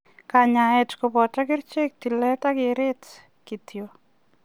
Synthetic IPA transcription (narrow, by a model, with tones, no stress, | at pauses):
kaɲa˨ɛ˨t͡ʃko˨pɔ˨ta˦kɪ˦ɾt͡ʃe˦k̚ti˨lɛ˦ta˦kɪɾɪ˦t | ki˨tjo˨